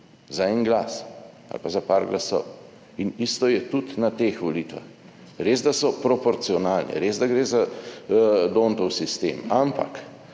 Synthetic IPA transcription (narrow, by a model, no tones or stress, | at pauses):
zaɛnɡlaːs | a̰lpazapaɾɡlasɔ̰w | inist̪ɔjɛt̪ut̪nat̪eːxʋɔliːt̪ʋa̰x | ɾeːzd̪asɔpɾɔpɔɾt̪siɔnaːlnɛ̰ɾeːzd̪aɡɾeːza | d̪oːnt̪ɔwsist̪ḛːmampa̰k